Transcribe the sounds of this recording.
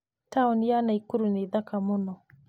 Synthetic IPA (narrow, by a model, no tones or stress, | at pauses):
taonjanaikuɾunidakamuno